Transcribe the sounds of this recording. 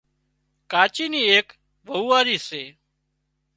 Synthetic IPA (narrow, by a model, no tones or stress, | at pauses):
kaːt͡ʃiːniːeːk | ʋəuːaːɾiːseː